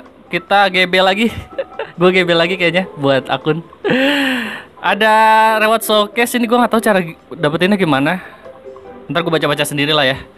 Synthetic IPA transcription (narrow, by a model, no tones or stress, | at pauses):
kit̪aɡebelaɡiɡuaɡebelaɡikajaɲabuat̪a̰kʊn | ʔadarewat̪̚sokɛsiniɡuaŋat̪aut͡ʃaɾadapət̪inaɡimana | ənt̪arɡuabat͡ʃabat͡ʃasəndiɾilahja